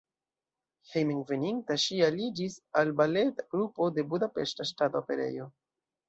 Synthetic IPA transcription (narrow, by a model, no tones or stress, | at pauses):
hejmiŋɡveniŋtaʃialid͡ʒisalbale̞taɡ̥ɾupo̞de̞budape̞ʃtaʃtatoope̞ɾe̞̰jo̞